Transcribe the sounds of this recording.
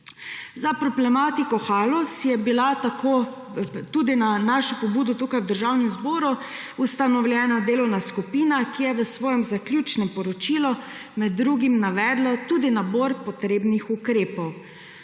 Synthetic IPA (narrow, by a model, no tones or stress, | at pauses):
zapɾɔblɛmaːt̪ikɔxalɔsjɛbilat̪akʰoː | t̪uːd̪inanaːʃɔpɔbuːd̪ɔt̪ukajwd̪əɾʒawnɛmzboːɾu | ust̪anɔwlʲjɛːnad̪eːlɔwnaskupiːnakijɛʋəsʋɔːjɛmzaklʲjuːt͡ʃnɛmpɔɾɔt͡ʃilɔmɛd̪ːɾuːɡimnaʋɛːd̪lat̪uːd̪inaboːɾpɔt̪ɾeːbnixukɾeːpɔw